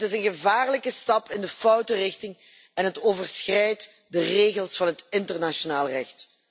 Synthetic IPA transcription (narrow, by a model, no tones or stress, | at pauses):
tɪsənɣəvaːrləkəstɑpɪndəfʌwtərɪxtɪŋ | ɛnɦətoːvərsxrɛjt | dəreːɣəlˠsfɑnɦətɪntərnaʃonaːlˠrɛxt